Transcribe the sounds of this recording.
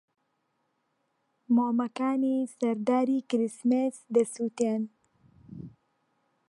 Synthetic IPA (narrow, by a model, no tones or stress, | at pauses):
momakanisaɾd̪ɑːɾikɾɪsmesd̪əsut̪an